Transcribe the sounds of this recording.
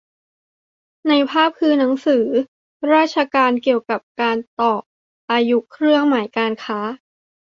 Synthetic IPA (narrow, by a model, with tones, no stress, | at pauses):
na˧jpʰaː˥˩p̚kʰɯː˧na˩˦ŋsɯː˩˦ | ɾaː˥˩t̪̚t͡ɕʰa˧kaː˧nki˨˩əwka˨˩p̚kaː˧nt̪ɔː˨˩k̚ | ʔaː˧ju˦˥kʰɾɯ˥˩əŋmaː˩˦jkaː˧nkʰaː˦˥